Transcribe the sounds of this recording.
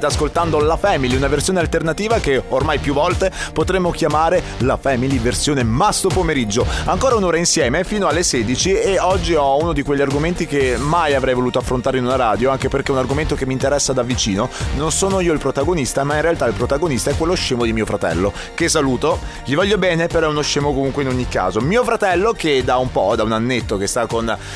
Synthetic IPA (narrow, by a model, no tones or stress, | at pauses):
t̪askolt̪and̪olafɛmiliunaversjoːnealt̪ernat̪iːvakeormajpjuvːɔlt̪epot̪ɾemːokjamaːɾelafɛmiliversjoːnemast̪opomeɾid͡ʒːoaŋkoːɾaunoːɾainsjɛːmefiːnoalːeseːd̪it͡ʃieɔd͡ʒːiɔunod̪ikweʎːiarɡoment̪ikemajavɾɛjvoluːt̪oafːɾont̪aːɾeinunaɾaːd̪joaŋkeperkeunarɡoment̪okemiːnt̪eɾɛsːad̪avːit͡ʃiːnononsoːnoiːoilpɾot̪aɡonist̪amainrealt̪ailpɾot̪aɡonist̪aɛkwelːoʃːeːmod̪imiːofɾat̪ɛ̰lːo | kesːaluːt̪oʎivɔʎːobɛːnepeɾɔɛunoʃːeːmokomuŋkweinoɲːikːa̰ːzomiːofɾat̪ɛlːoked̪aumpɔd̪aunanːet̪ːokest̪akːon